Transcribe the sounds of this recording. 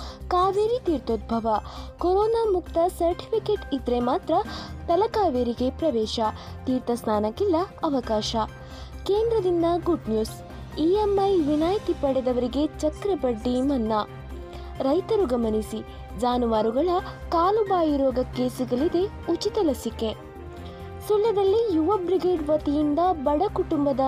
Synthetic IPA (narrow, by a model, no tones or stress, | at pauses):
kaːʋeːɾit̪iːɾt̪oːd̪̚bʱɐʋɐkoɾɔːnaːmukt̪ɐsɐɾʈi̥pʰikeʈid̪ɾemaːt̪ɾɐt̪ɐlɐkaːʋeːɾiɡe̞pɾɐʋɛːʃɐ | t̪iːɾt̪ɐsnaːnɐkːilːɐɐʋɐkaːʃɐ | keːnd̪ɾɐd̪ind̪ɐɡuɖnjuːs | iːemːɐjʋinaːjt̪ipɐɽɛd̪ɐʋɐɾiɡe̞t͡ʃɐkɾɐpɐɖːimɐnːɐ | ɾɐjt̪ɐɾuɡɐmɐnisi | d͡ʒaːnuʋaːɾuɡɐɭɐkaːlubaːjiɾɔːɡɐke̞ːsiɡɐɭid̪e̞ | ut͡ʃit̪ɐlɐsike̞ | sulːɐd̪ɐlːijuʋɐbɾiɡe̞ːɖʋɐt̪ijind̪ɐbɐɽɐkuʈumbɐd̪ɐ